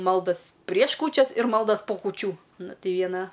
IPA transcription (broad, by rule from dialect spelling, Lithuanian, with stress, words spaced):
ˈmɐlˠdɐs pʲrʲiɛʃ ˈkuːt͡ʃʲɛs ɪr ˈmɐlˠdɐs poː kuːˈt͡ʃʲuː ˈnʊ ˈtʲɛɪ ˈʋʲiɛnɐ